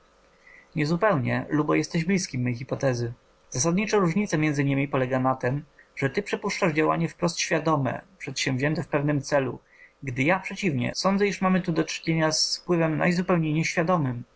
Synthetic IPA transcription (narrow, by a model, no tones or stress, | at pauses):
ɲɛzupɛwɲɛ̰lubɔjɛst̪ɛʑblʲiskʲimːɛjxipɔt̪ɛzɘ | z̥as̬ad̪̚ɲit͡ʂɔ̃ɾuʐɲit̪sɛmʲjɛnd̪zɘɲimʲipɔlɛɡanat̪ɘmʐ̥ɛt̪ɘpʂɛpuʂt͡ʂaʐd͡ʑawa̰ɲɛfpɾɔst̪ɕfʲjad̪ɔmɛ̰pʂɛt̪ɕɛ̃vʑɛnt̪ɛfpɛvnɘmt̪sɛlu | ɡd̪ɘjapʂɛt͡ɕivɲɛ̰sɔnd̪zɛiʂmamɘt̪ud̪ɔt͡ʂɘ̥ɲeɲasfpwɘvɛmna̰jzupɛwɲejɲɛɕfʲjad̪ɔmɘm